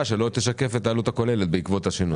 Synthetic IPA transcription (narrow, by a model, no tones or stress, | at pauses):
ʃe̞lo̞t̪eʃake̞fet̪aːlut̪ako̞le̞let̪̚beikvo̞t̪haʃinu